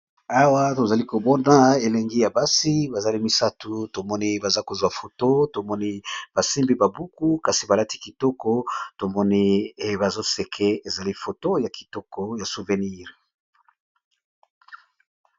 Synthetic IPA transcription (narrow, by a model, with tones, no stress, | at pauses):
a˦wa˦to˨za˨li˦ko˨bɔ˦na˦e˨le˦ŋɡi˦ja˨ba˦si˦ba˨za˨li˦mi˨sa˦tu˨to˨mɔ˦ni˦ba˨za˦ko˨zwa˨fo˨to˦to˨mɔ˦ni˦b̥a˨si˦mbi˦ba˨bu˦ku˦ka˨si˨ba˨la˦ti˦ki˨tɔ˦kɔ˦to˨mɔ˦ni˦e˦ba˨zo˦se˨kʰe˦e˨za˨li˦fo˨to˦ja˨ki̥˨tɔ˦kɔ˦ja˨su˨vɛ˨ni˦ʁ